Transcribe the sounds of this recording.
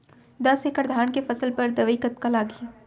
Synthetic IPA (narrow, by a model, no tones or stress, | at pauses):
d̪ɐsekəɾd̪ʱaːnkefɐsəlpɐɾd̪ɐʋikət̪̚kalaːɡi